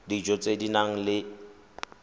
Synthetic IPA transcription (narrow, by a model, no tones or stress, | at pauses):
did͡ʒɔt͡sʼedinaŋ̩lɪ